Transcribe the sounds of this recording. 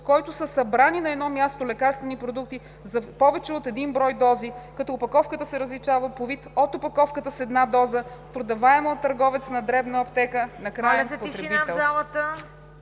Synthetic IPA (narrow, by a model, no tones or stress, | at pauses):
kɔjt̪ʊsəsɐbɾaninɐɛd̪nɔmʲjast̪olɛkaɾst̪vɛnipɾod̪uk̚t̪i | zɐpɔvɛt͡ʃɛot̪ɛd̪inbɾɔjd̪ɔzikɐt̪ɔːpɐkɔfkət̪əsɛɾəzlit͡ʃavəpovit̪ot̪opɐkɔfkət̪əsɛd̪nad̪ɔzəpɾod̪ɐvaɛməot̪ːɐɾɡɔvɛt̪snɐd̪ɾɛbnɐopt̪ɛkənɐkɾajɛnpot̪ɾɛit̪ɛlzalˠət̪ə